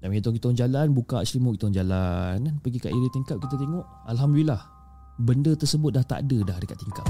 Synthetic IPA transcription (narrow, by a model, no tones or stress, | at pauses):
damkit̪oŋkit̪ŋd͡ʒalanbukaslimuʔkit̪ːŋd͡ʒalannpəɡika̰ʔiɾit̪iŋkap̚kit̪at̪eŋɔʔ | alɦamdulilah | bəndət̪ərsəbʊt̪̚dlaht̪a̰dədahdəka̰t̪ːiŋkap̚